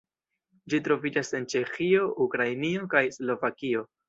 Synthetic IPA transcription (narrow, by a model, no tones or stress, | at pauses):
d͡ʒitɾo̞vid͡ʒase̞nt͡ʃe̞xio̞ʔukɾajnio̞kajslo̞vakio̞